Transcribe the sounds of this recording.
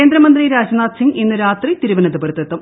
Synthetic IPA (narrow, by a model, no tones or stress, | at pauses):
eːnd̪ɾɐmɐnd̪riɾaːd͡ʑɐnaːt̪siŋɡinːɨɾaːt̪rit̪iɾuʋɐnɐðɨbɐɾt̪ːɐt̪ːum